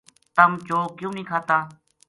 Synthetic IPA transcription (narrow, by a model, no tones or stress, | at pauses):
t̪əmt͡ʃoːkjũːnĩːkʰaːt̪aː